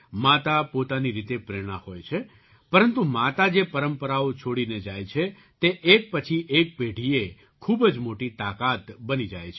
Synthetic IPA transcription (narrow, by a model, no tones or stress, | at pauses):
mat̪apot̪aniɾit̪epɾeɽ̃ãhojt͡ʃʰe | pəɾənt̪umat̪ad͡ʒepəɾəmpəɾaot͡ʃʰoɽined͡ʒajt͡ʃʰe | t̪eʔek̚pət͡ʃʰiʔek̚peɖʱie | kʰubd͡ʒmoʈit̪akat̪bənid͡ʒa̰jt͡ʃʰe